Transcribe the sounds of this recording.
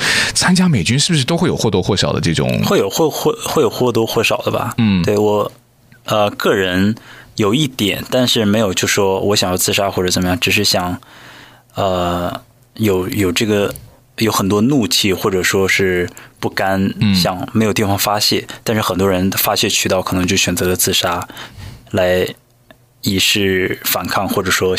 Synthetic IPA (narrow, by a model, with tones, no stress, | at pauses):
t͡sʰa˥nt͡ɕja˥me˨˩ɪt͡ɕy˥nʂ̬ɻ̩˥˩bu˧ʂɻ̩˥˩o˥xwe˥˩jo˨˩xwt̪wɔ˥xwɔ˥˩ɕɑ˨˩ʊd̪ə̰˦ʈ͡ʂɤ˥˩ʈ͡ʂʊ̰˨˩˦ŋxwe˥˩ɪjo˨˩ʊxwxɔ˥˧xwe˥˩ɪjo˨˩ʊxwɔ˥˩t̪wɔ˥xwɔ˥˩ɕɑ˨˩ʊd̪ə̰˦bɐ̰˩˥˩t̪we˥˩ɪwɔ˨˩ | ə˧kɤ˥˩ɻə˧˥njo˨˩ʊi˥˩t̪jɛ̰˨˩˦nt̪a˥˧nʂɻ̩˥˩me˧˥ɪjo˨˩ʊt͡ɕjo˥˧ʊʂɻ̩˩ʂwɔ˥wʔɔ˧˥ɕjɑ˨˩ŋjɑ˥˧ʊt͡sɹ̩˥˧ʂa˥xwɔ˥˩ʈ͡ʂɤ˧˩t͡sə˨˩mə˦jɑ˥ŋʈ͡ʂɻ̩˨˩ʂ̬ɻ̩˥˩ɕjɑ˨˩˦ŋ | ə˧ | jo˨˩˥ʊjo˨˩ʊʈ͡ʂɤ˥˩ɡə˩ | jo˧˥ʊxə˨˩nt̪̬wɔ˥nu˥˧t͡ɕʰi˥˩xwɔ˥˩ʈ͡ʂɤ˨˩ʂwɔ˥ʂɻ̩˥˩pu˥˩ka˥nɕjɑ˨˩ŋme˧˥jʊt̪i˥˩fɑ˥˩ŋfa˥ɕjɛ˥˩t̪a˥˧nʂɻ̩˥˩xə˨˩nt̪wɔ˥ɻə˧˥nfa˥ɕjɛ˥˩t͡ɕʰy˨˩t̪ɑ˥˩kʰɤ˨˩nɤ˧˥ŋt͡ɕjʊɕɥɛ˨˩nt͡sɤ˧˥lə˧t͡sɹ̩˥˩ʂa˥ | la˧˥ɪ | i˧˥ʂɻ̩˥˩fa˨˩nkʰɑ˥˧ŋxwɔ˥˩ʈ͡ʂɤ˨˩ʂwɔ˥